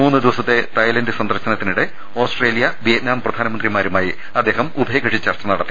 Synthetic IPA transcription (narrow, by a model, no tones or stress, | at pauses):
uːnːɨd̪iʋɐsɐt̪ːe̞t̪ɐjlɐndɨsɐnd̪ɐrɕɐnɐt̪ːinuɽe̞ | oːsʈreːlijɐʋijɐt̪̚naːmprɐd̪ʱaːnɐmɐnd̪rimaːɾumaːji | ɐd̪ːe̞ːɦɐmubʱɐjɡɐʂit͡ɕːɐrt͡ɕːɐnɐɽɐt̪ːi